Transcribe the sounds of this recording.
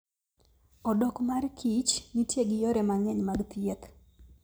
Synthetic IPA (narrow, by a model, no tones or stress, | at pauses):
ɔdɔkmarkʰit͡ʃnitjeɡɪjɔɾɛmaŋɛɲmaɡt̪jet̪